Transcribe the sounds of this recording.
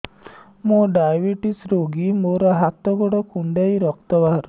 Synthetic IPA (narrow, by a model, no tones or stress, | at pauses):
moɖajbiʈisɾoɡimoɾɔɦat̪ɔɡɔɽɔkuɳɖajɾɔk̚t̪ɔbaɦɾu